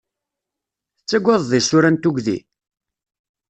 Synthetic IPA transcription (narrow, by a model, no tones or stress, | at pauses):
t͡sːæɡʷːɑðˤðisʊɾænt̪uɡʷðḭ